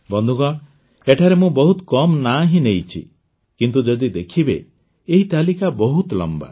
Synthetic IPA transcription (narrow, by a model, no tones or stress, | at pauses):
bɔnd̪ʱuɡɔɽ | eʈʰaɾemũbɔɦut̪kɔmnaɦĩnejt͡ʃʰḭ | kint̪ud͡ʒɔd̪id̪ekʰibḛ | eɦit̪alikabɔɦut̪lɔ̰mba̰